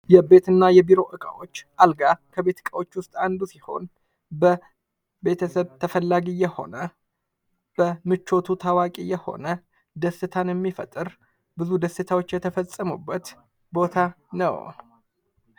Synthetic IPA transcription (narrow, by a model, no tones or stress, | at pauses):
jɛbe̞t̪ɨnːajɛbiɾo̞ʔɨkʼawo̞t͡ʃːʔalɡakʰəbe̞t̪ʰkʼawo̞t͡ʃːwʊst̪ʼand̪usiho̞̰n | bə | be̞t̪ʰəsəβt̪ʰəfəlːaɡijɛho̞̰nə | b̥əmɨt͡ʃːo̞t̪ʰut̪ʰawakʼijɛho̞̰nə | d̪əsːɨt̪ʰanjɛmːifə̰t̪ʼːɨɾ | bɨzud̪əsɨt̪ʰawot͡ʃːjɛt̪ʰəfəsʼːəmṵbːət̪ | bo̞t̪ʰa | nə̰w